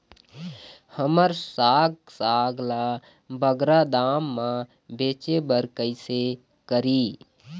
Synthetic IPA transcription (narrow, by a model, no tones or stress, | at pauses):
həməɾsaːɡ | saːɡʱla | bəɡɾad̪aːmːã | beːt͡ʃebəɾkəɪse | kəɾiː